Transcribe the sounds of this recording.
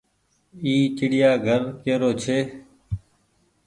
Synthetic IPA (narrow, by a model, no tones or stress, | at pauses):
iːt͡ʃɪɽɪjaːɡʱəɾkeːɾoːt͡ʃʰeː